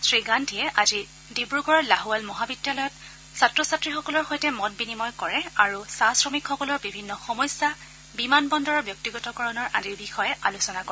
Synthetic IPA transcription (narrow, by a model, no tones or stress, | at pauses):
sɹiɡantijɛʔazi | dibɹuɡɔɹlaɦualmɔɦabidjalɔjɔt | satɹɔsatɹixɔkɔlɔɹxojtɛmɔtbinimɔjkɔɹɛaɹusasɹɔmikxɔkɔlɔɹbibʱinːɔxɔmɔjsa | bimanbɔndɔɹɔɹbjɔk̚tiɡɔtɔkɔɹɔnɔɹʔadiɹbixɔjɛalusɔnakɔɹɛ